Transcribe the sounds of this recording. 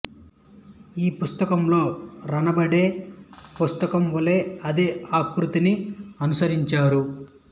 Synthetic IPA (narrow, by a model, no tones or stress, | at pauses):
iːpust̪ɐkɐmlo̞ːɾɐnɐbɐɽe̞ːpust̪ɐkɐmʋɐle̞ːɐd̪eaːkɾut̪iniɐnusɐɾiɲt͡ʃaːɾu